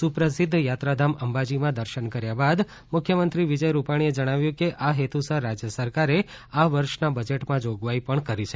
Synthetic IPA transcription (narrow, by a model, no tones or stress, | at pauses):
supɾəsɪd̪ʱːjat̪ɾad̪ʱaməmbad͡ʒimãd̪əɾʃənkəɾjabad̪ | mʊkʰjəmənt̪ɾiʋid͡ʒəjɾupaɽ̃ied͡ʒəɽ̃aʋjũkeʔaɦet̪ʰusəɾad͡ʒjəsəɾkaɾe | aʋəɾʃnabəd͡ʒeʈmãd͡ʒoɡʋaipəɳkəɾit͡ʃʰe